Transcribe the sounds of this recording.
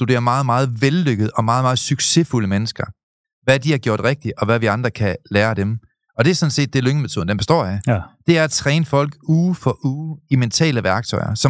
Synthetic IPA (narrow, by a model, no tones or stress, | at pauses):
sd̥ud̥e̝ːɐmɑ̈ːð̞̩ˠmɑ̈ːð̞̩ˠʋelːøɡ̥əðˠɒ̽mɑ̈ːð̩ˠmɑ̈ːð̞̩ˠsyɡ̥se̝fuləmenəsɡ̥ɐ | ʋæd̥ihɑ̈ɡ̥jo̝ɐ̰d̥ʁeɡ̥̚d̥iɒ̽ʋæʋiɑ̈nd̥ʁɐkʰælæːɐd̥em | ɒ̽d̥e̝æɐsɒ̽nse̝̰ːd̥ːe̝løŋəmet͡sʰo̝ðˠnd̥enb̥esd̥ɒ̰ːjæd̥e̝æɐæt͡sʰʁɛːnəfɒ̽l̰ɡ̥uːfɒʔuːiment͡sʰɛ̰ːləʋæɐɡ̥̚t͡sʰɒ̽ɪɐsɒ̽